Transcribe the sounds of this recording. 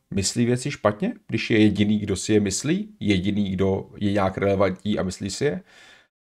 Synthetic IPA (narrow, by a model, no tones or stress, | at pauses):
mɪsliːvjɛt͡sɪʃpat̪ɲɛɡdɪʃjɛjɛɟɪniːɡdo̞sɪjɛmɪsliːjɛɟɪniːɡdo̞jɛɲaːkɾɛlɛvaɲtɲiːʔa̰mɪsliːsɪjɛ